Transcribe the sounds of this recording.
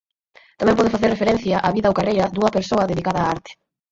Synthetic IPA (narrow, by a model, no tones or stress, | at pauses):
t̪amɛ̃mpɔðɪfaθeɾrefeɾɛn̟θjɐʔaβiðɐowkarejɐd̪uŋɐpeɾsoɐðeðikaðɐːaɾt̪ɪ̥